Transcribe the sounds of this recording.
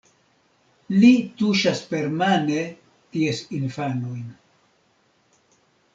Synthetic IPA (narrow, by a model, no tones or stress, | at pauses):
lituʃaspe̞ɾmane̞ | tiesinfanojn